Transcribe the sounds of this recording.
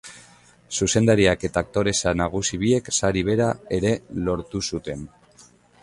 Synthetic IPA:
suse̞nd̪aɾiake̞t̪aːk̚t̪o̞ɾe̞sanaɣ̞usiβie̞ksaɾiβ̞e̞ɾae̞ɾe̞lo̞ɾt̪usut̪e̞n

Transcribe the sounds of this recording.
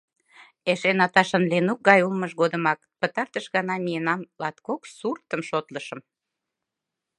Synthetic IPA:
eʃenɑt̪ɑʃənlenuk̚ɡɑjulməʃɣod̪əmɑk̚pət̪ɑrt̪əʃɣɑnɑmijenɑmlɑt̪koksurt̪əmʃot̪ləʃəm

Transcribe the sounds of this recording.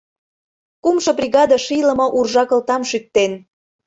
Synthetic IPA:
kumʃɤ̆prʲiɣɑd̪əʃilə̆mɤ̆ʔurʒɑkə̆lt̪ɑmʃyk̚t̪en

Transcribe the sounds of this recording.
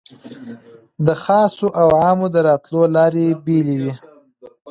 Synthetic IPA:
d̪əxɑsoʔawʕɑmod̪əɾɑt̪lolɑɾebelewi

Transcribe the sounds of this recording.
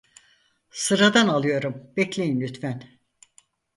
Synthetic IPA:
sɯɾad̪analˠɯjo̞ɾumbɛclʲejinlʲyt̪fæn

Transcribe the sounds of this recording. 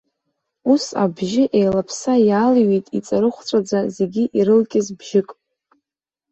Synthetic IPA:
usa̰bʒɪʔejlapʰsajaːlɥejtʼit͡sʼaɾɨχʷt͡sʷʼad͡zʷazeɡʲiʔiɾɨlkʲʼɪzbʒɪkʼ

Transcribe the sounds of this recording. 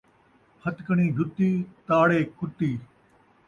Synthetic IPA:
hʰət̪kəɳ̃iːd͡ʒ̪ʱʊt̪iːt̪aːɽeːkʰʊt̪ːiː

